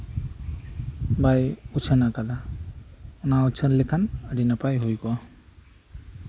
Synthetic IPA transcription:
bajut͡ʃʰənakad̪a | ɔnaut͡ʃʰənlikʰanəɖinapajɦujkɔa

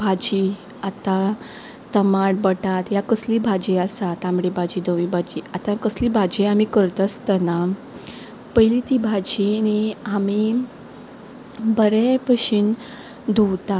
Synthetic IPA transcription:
bʱad͡ʑi | at̪a | t̪əmaɽbəʈat̪jakəsliːbʱad͡ʑiasat̪amɽebʱad͡ʑiːd̪əʋibʱad͡ʑiat̪akəsliːbʱad͡ʑeamikəɾt̪əst̪əna | pəjlit̪ibʱad͡ʑiniami | bəɾɛpəɕiːn | d̪ʱowt̪a

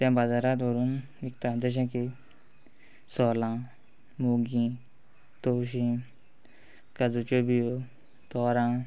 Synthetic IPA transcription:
t̪jãbad͡zaɾat̪ʋəɾuːn | ikt̪ad͡zəɕ̬ãke | sɔlã | moɡĩ | t̪owɕ̬ĩ | kad͡zut͡ɕobijo | t̪ɔɾã

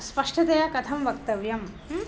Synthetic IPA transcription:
spɐʂʈʰɐt̪ɐjakɐt̪ʰɐmʋɐk̚t̪ɐʋjɐm

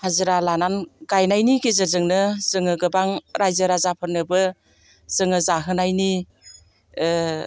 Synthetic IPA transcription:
haziɾalananɡajnajniɡezɯzɯŋnɯz̥ɯŋɯɡɯbaŋɾajzɯɾazapʰɯnːɯbɯ | z̥ɯŋɯzaɦɯnajni

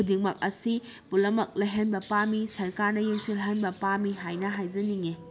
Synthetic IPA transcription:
udiŋmak̚ɐsipulɐmɐk̚lɐjɦɐnbɐpamisɐɾkaɾnɐjeŋsilɐɦɐnbɐpamiɦajnɐɦajzɐniŋe

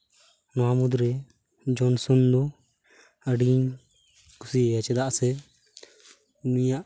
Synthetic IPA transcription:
nɔwamud̪ɾɛ | d͡ʒɔnsɔnd̪ɔ | əɖiɲ | kusijat͡ʃɛd̪aʔsɛ | mijaʔ

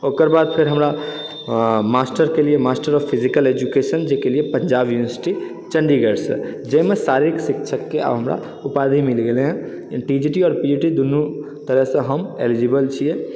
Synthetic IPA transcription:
okəɾbad̪̚pʰeɾɦəmɾa | masʈəɾkeliemasʈəɾɔppʰːizikəled͡ʒukesənd͡ʒekeliepəɲd͡ʒabjuniʋəɾsi̥ʈi | t͡ʃəɳɖiɡəɖsə̰̃d͡ʒemesaɾiksikt͡ʃʰəkːea̰bɦəmɾa̰ | upaɾd̪ʱimilɡeleɦɛ̃ | ʈid͡ʒiʈiɔːɾpid͡ʒiʈid̪unːu | t̪əɾəɦsə̃ɦəmelid͡ʒibəlt͡ʃʰije

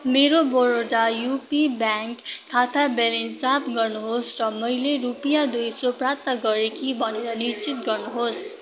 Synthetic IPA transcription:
meɾoboɾoʈajupibjaŋkkʰːat̪ʰabelent͡sapɡʌrnuɦosrʌmʌileɾupijad̪ujsoprap̚t̪ʌɡʌɾekibʱʌneɾʌnit͡sit̪̚ɡʌrnuɦos

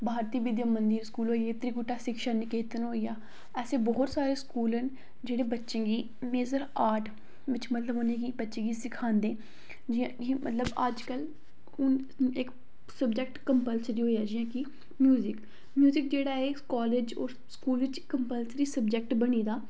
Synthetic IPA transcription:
bʱaːɾt̪iːʋiːd̪jaːmənd̪iːɾskuːlɦoːieːt̪ɾiːɡʊʈaːsɪkʃaːnikeːt̪ənɦoːiːaː | ɛːsẽːbɔːʊt̪saːɾeːskuːlən | d͡ʒeːɽeːbətːʃẽːɡiː | meːzəɾaːɾʈ | ʋɪt͡ʃmət̪ləbʊnẽːkibətːʃẽːɡiːsɪkʰãːnd̪eː | d͡ʒĩɡimʔə̰t̪ləbəd͡ʒkəl | ʊn | ɪk | səbd͡ʒɛk̚ʈkəmpəlsəɾiːɦoːiaːd͡ʒɪjãːkɪ | mjuːzɪk | mjuːzɪk̚d͡ʒeːɽaːɛkaːleːd͡ʒo̰ːɾ | skuːlʋɪt͡ʃkəmpəlsɾiːsəb̚d͡ʒɛk̚ʈbəɽ̃iːd̪aː

